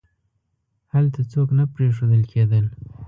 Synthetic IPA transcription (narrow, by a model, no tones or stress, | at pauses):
halt̪at͡soknapɾeʂod̪əlkʰed̪əl